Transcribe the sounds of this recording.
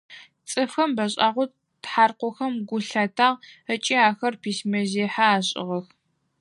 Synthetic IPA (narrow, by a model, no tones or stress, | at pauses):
t͡sʼɨfxɐmbɐɕʼaːʁʷʊ | tħaːrqʷɔxɐmɡʷʊɬatʰaːʁət͡ʃʼiaːxɐrpʰiːsmɐzeːħaaːɕʼɪ̰ʁɐx